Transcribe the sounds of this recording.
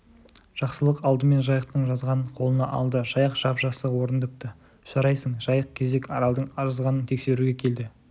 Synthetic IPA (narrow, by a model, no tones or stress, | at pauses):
ʒ̥ɑqsəlˠəqɑlˠd̪əme̞nʒɑjəq̚t̪əɴʒɑzʁɑnqʰo̞lˠənɑʔɑ̰lˠd̪əʒ̥ɑjəqʒ̥ɑpʒ̥ɑsəwo̞ɾənd̪ɪp̚t̪ə | ʒ̥ɑɾɑjsəɴʒɑjəq̚kʲʰe̞ze̞kɑɾɑlˠd̪əɴɑɾɑzʁɑnənt̪ʰe̞kse̞ɾuɡʲekʲʰe̞ld̪ɪ